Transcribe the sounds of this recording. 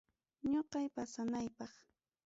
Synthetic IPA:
ɲoqɑjpasanajpɑχ

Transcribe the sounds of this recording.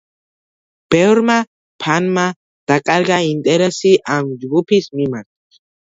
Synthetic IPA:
peɾma | pʰanma | t̪akʼaɾɡaint̪ʼeɾasiʔamd͡ʒɡupʰismimak

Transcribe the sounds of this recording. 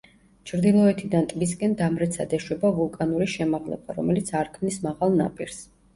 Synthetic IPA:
t͡ʃʰɾd̪ilˠɔɛt̪ʰid̪ant̪ʼmis̬kʼɛnd̪amɾɛt̪sʰad̪ɛʃwɛbavulˠkʼanuɾiʃɛmaʁlɛ̰ba̰ɾɔmɛlit̪sʰaɾkʰmnismaʁalˠna̰pʼiɾs

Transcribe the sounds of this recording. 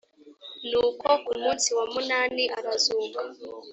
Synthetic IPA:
nukɔkumunsiwamunaniʔaɾazuːka

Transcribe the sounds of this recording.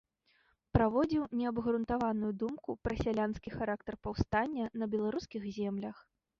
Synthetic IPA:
pɾavɔd͡zʲiwnʲɛɐbɣɾunt̪avanujud̪umkupɾɐsʲalʲanskʲixaɾakt̪ɐrpawst̪anʲːɐnɐbʲɛlˠaɾuskʲiɣzʲɛmlʲɐx

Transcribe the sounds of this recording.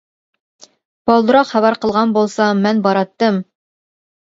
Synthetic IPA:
bɑlˠd̪ɾɑqχæβæɾqəlˠʁɑnbolˠsɑmɛnbɑɾɑt̪ːɤm

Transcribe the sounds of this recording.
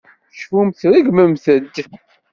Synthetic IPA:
ʃfumθɾiɡməmθəd̪

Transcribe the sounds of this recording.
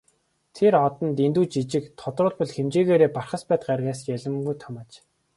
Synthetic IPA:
t̪ʰeɾɔt̪ɞ̆nt̪ent̪uːt͡ɕit͡ɕɪ̆kt̪ʰʊt̪rʊːɮpɔ̆ɮxemt͡ɕeːɣeːɾeːparχə̆spæːt̪̚ɢarɣaːsjæɮə̆mɡujt̪ʰɔmaːt͡ɕ

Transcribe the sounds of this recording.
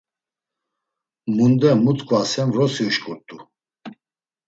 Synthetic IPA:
mund̪ɛmut̪ʼkʼuasɛmɾɔsiuʃkʼuɾt̪ʼu

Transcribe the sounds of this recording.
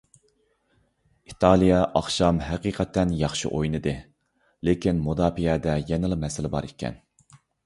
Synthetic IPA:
it̪ʰɑlˠijɑʔɑχʃɑmɦɛqiːqʰɛt̪ʰːɛnjɑχʃɨ̰ʔojnɨd̪ɨ | lekʲinmud̪ɑːpijɛd̪ɛjɛnɨlˠɨmɛsɪlɪbɑ̰ɾikʲʰːɛ̰n

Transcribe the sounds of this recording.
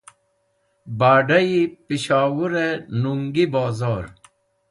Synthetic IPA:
baːɖɐipiɕaːwuɾenuŋɡibaːzaːɾ

